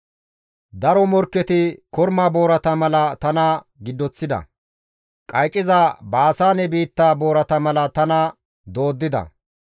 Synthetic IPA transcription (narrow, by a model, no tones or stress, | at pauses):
d̪ɐɾɔmɔɾkːɛt̪ɪkɔɾmaːbo̞ːɾɐt̪ɐmɐlɐt̪ɐnɐ | ɡɪd̪ːɔt͡sːɪd̪ɐ̰ | kʼɐjt͡ʃʼːɪzabaːsaːnɛbiːt̪ːaːbo̞ːɾɐt̪ɐmɐlɐt̪ɐnɐ | d̪o̞ːd̪ːɪd̪ɐ̰